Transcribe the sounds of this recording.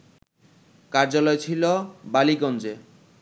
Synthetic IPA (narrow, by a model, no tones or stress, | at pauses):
kaɾd͡ʑalɔet͡ɕʰilobaliɡɔnd͡ʑe